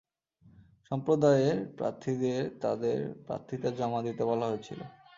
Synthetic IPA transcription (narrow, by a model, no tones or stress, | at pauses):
ʃɔmpɾod̪aeeɾpɾa̰ɾt̪ʰːid̪eɾt̪ad̪eɾpɾa̰ɾt̪ʰːit̪ad͡ʑɔmad̪it̪ebɔlaɦoet͡ɕʰḭlo̰